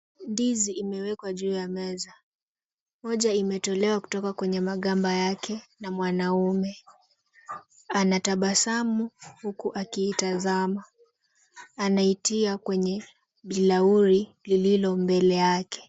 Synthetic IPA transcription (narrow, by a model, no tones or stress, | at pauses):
ndiziimɛwɛkwaʄuːjamɛza | mɔʄaimɛtɔlɛwaku̥tɔkakwɛɲɛmaɠambajakʰɛnamwanaumɛ | anataɓasamuhukuʔakiːtazama | naitiakwɛɲɛ | ɓilauɾilililɔmbɛlɛjakɛ̥